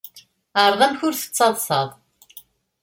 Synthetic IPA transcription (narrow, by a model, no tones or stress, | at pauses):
əɾˤðˤæmçʊɾθə̥t͡sːɑðˤsɑðˤ